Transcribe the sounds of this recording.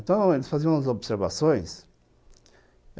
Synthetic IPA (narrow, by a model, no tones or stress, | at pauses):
nt̪ɐ̃w̃elsfaziɐ̃w̃ɐzobseɾva̰sõj̃s